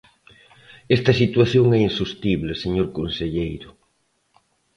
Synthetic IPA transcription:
ɛst̪ɐsit̪waθjoŋɛinsust̪iβleseɲoɾkonseʎejɾʊ

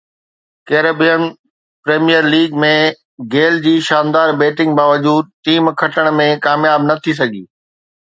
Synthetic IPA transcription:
keːɾeːbijən | pɾeːmijəɾliːɡmẽ | ɡeːld͡ʑiːʃaːnd̪aːɾbeːʈɪ̃ŋɡ̚baːʋɐd͡ʑuːd̪̚ʈiːmkʰɐʈʰəɽ̃mẽkaːmjaːbnɐt̪ʰis̬ɐɡʱḭː

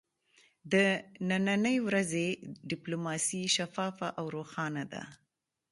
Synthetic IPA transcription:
d̪ənananəjwɾazeɖɪplomɑsiʃafɑfaʔawɾoxɑnad̪a̰

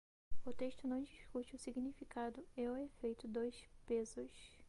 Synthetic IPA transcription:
ʊt̪eʃt̪ʊnɐ̃w̃d͡ʒiʃkut͡ʃɪʊsiɡnifikad̪ʊewɛfejt̪ʊd̪ojspezʊs

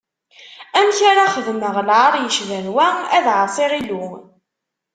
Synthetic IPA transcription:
æmçaɾaχəðməʁlʕaɾˤjəʃvænwææðʕəsˤiʁilu

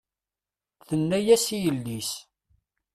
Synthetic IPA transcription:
θənːæjæsijəlːis

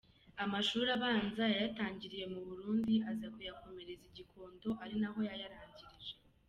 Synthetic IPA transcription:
amaʃuːɾaβaːnzajajataːɲɟiɾije̞muβuɾuːndiazakujako̞me̞ɾe̞ziɟikʰo̞ːndo̞ʔaɾinaɦo̞jajaɾaːɲɟiɾiʒe

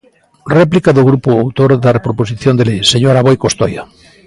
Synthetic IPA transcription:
rɛplikaðoɣɾupoawt̪oɾðarepɾoposiθjond̪elejseɲoɾaβojkost̪oja

